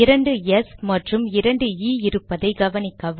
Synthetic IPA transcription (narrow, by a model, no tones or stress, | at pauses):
ɪɾɐɳɖɯɛsmɐʈrɯmɪɾɐɳɖɯiːɪɾɯpːɐðɐɪɡɐʋɐnɪkːɐʋ